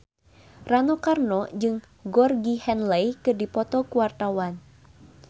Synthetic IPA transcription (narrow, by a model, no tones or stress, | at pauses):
ranɔkarnɔd͡ʒɨŋ | ɡɔrɡihɛnlɛjkɨrdipɔt̪ɔkuwart̪awan